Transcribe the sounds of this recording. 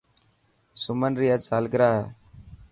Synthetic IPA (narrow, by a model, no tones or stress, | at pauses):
sʊmənɾiːəsaːlɡɾaːɦɛː